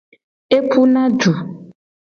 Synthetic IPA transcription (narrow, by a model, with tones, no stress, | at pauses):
e˦pʰu˦nã˦ɖu˨